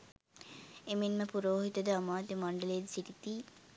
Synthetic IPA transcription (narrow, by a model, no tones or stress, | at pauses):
eminməpuɾoːɦit̪əd̪əamaːd̪emaɳɖəleːd̪siʈit̪iː